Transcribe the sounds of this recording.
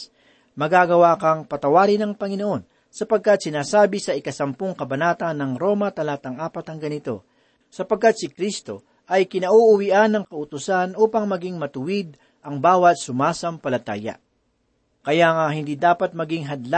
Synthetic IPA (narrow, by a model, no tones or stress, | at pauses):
mɐɡaɡɐwaːkɐŋpɐt̪ɐwaːɾɪnɐŋpɐŋɪno̞ʔo̞n | sɐpɐɡ̚kat̪̚sɪnaːsaːbɪsɐʔɪkɐsɐmpoŋkɐbɐnaːt̪ɐnːɐŋɾo̞ːmɐt̪ɐlaːt̪ɐŋaːpɐt̪ɐŋɡɐnɪt̪o̞̰ | sɐpɐɡ̚kat̪̚sɪkɾist̪o̞ | ʔɐjkɪnɐʔuʔʊwiʔanːɐŋkɐʔʊt̪ʊsanʔuːpɐŋmɐɡiŋmɐt̪ʊwid̪̚ | ʔɐŋbaːwɐt̪̚sʊmaːsɐmpɐlɐt̪a̰ːjɐ̰ | kɐjaŋahɪnd̪iːd̪aːpɐt̪̚mɐɡiŋɦɐd̪la